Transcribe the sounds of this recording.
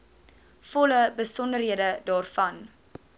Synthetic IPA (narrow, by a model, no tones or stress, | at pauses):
fɔləbəsɔndərɦiədədɑːrfɐn